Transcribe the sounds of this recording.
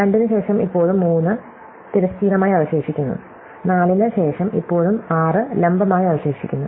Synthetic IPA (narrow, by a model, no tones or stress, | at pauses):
ɾeɳɖinːɨɕe̞ːʂɐmipːo̞ːɻumːuːnːɨ | t̪iɾɐst̪iːɾɐmaːjiɐʋɐɕe̞ːʂikʲːunːṵ | naːlinɨɕe̞ːʂɐmḭpːo̞ːɻumaːrɨlembɐmaːjiɐʋɐɕe̞ːʂikʲːunːu